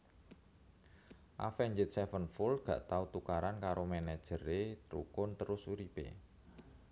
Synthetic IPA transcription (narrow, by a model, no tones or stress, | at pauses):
ʔa̰fɛɲd͡ʒɪt̪̚sɛfənfʊlɡ̥ä̤ʔt̪aut̪ukaɾankaɾomɛnɛd̥ʒ̥əɾet̪ɾṵkʊnt̪əɾʊsuɾipḛ